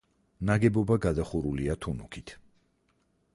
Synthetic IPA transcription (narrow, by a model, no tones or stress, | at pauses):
naɡɛbɔbaɡad̪aχuɾuliat̪ʰunṵkʰit̪ʰ